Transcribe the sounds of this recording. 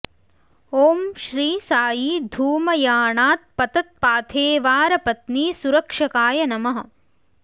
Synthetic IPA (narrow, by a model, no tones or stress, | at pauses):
oːmʃɾiːsaːjiːd̪ʱuːmɐjaːɳaːt̪̚pɐt̪ɐt̪̚paːt̪ʰeːʋaːɾɐpɐt̪niːsuɾɐkʂɐkaːjɐnɐmɐɦɐ̆